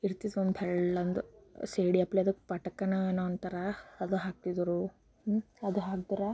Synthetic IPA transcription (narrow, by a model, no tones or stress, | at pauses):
iɾt̪id̪ond̪pɛɭɐnd̪useːɽiɐpleɐd̪ɐkːpɐʈɐkɐnɐeːnoɐnt̪ɐɾaːd̪uɦaːk̚t̪id̪ɾu | ɐd̪uɦaːk̚t̪ɐɾa